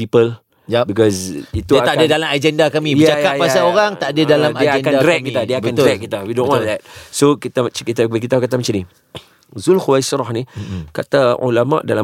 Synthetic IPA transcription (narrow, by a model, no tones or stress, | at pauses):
pipəl | jbikɔzit̪uaaadadalamad͡ʒɛndakamiəd͡ʒajkajpasaoɾaŋt̪aʔadadalamaaɛnkadndɾɛk̚kit̪adiaabəand̪əɾɛk̚kːit̪awidõnwãnðɛt̚sokit̪at͡ʃkit̪abək̬it̪akat̪amat͡ʃani | zunxuwasɾɔhnikat̪aṵlama̰ʔdala